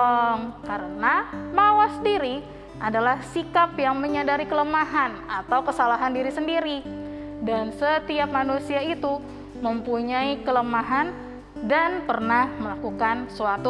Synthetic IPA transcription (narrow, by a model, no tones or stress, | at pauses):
ɔŋkaɾənamawasdiɾi | ʔadalahsikapjaŋməɲadaɾikələmaɦanat̪awkəsalaɦandiɾisəndiɾi | dansət̪iap̚manusiait̪u | məmpuɲaikələmaɦan | danpərnahməlakukansuat̪u